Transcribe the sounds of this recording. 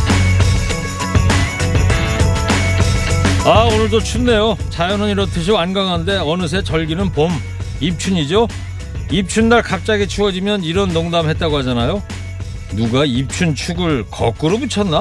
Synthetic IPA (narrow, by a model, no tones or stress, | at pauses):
aonɯɭdot͡ɕʰunːe̞jot͡ɕajʌnɯniɾʌtʰɯɕ̬ʰianɡaŋɦande̞ʌnɯs̬ʰe̞t͡ɕʌɭɡinɯnpom | ip̚t͡ɕʰuɲid͡ʑo | ip̚t͡ɕʰundaɭkap̚t͡ɕ͈aɡit͡ɕʰuɡʌd͡ʑimjʌniɾʌnːoŋdamɦe̞t̚t͈aɡohad͡ʑanajo | nuɡaip̚t͡ɕʰunt͡ɕʰuɡɯɭkʌ̰k͈ɯɾobut͡ɕʰʌnːa